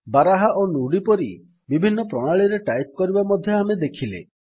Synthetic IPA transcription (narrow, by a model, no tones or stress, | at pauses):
baɾaɦaʔonuɽipɔɾi | bibʱinːɔpɾɔɽ̃aɭiɾeʈajt̪̚ɔkɔɾibamɔd̪ʱjɔamed̪ekʰilḛ